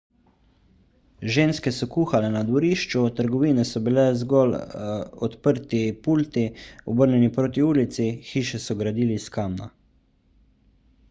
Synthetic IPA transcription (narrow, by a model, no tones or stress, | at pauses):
ʒeːnskɛsɔkuːxalɛnad̪ʋɔɾiːʃt͡ʃut̪əɾɡɔʋiːnɛsɔbilɛzɡɔlɔt̪pəɾt̪ipuːlt̪iɔbəɾnʲɛnipɾoːt̪̬iuːlit̪sixiːʃɛsɔɡɾad̪iːliskamna̰